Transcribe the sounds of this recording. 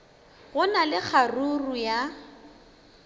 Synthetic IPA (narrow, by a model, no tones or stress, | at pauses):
ɣʊnalɪk͡xʰaruruja